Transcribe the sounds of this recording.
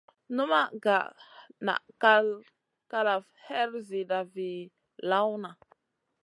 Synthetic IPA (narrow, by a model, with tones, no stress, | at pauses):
nu˦ma˦ɡa̰˨na̰˨ka˦l | ka˦la˨fhe˦ɾzi˨da˨vi˨ | la˦wna˨